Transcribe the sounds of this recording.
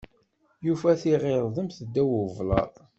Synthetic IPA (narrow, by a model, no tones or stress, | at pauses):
jufæθiʁeɾˤðˤəmθəd̪ːæwəvlɑ̰ɾˤ